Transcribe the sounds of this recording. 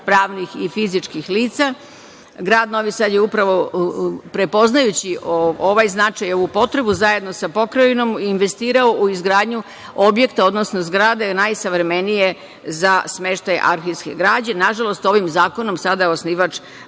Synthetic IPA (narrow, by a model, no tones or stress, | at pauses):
pɾaːʋnixifizit͡ʂkixliːt̪sa | ɡɾaːd̪no̞ʋisad̪je̞upɾaʋo̞pɾe̞po̞znajut͡ɕiooʋajznat͡ʂajo̞ʋupo̞t̪ɾe̞buzajed̪no̞sapo̞kɾajino̞minʋe̞st̪iːɾaouizɡɾaːd̪ɲu | obje̞kt̪ao̞d̪no̞snozɡɾad̪enajsaʋɾeme̞nije̞ | zasme̞ʃt̪ajʔa̰ɾxiske̞̰ɡɾaːd͡ʑenaʒalˠo̞st̪o̞ʋimzaːko̞no̞msad̪aosniʋat͡ʃ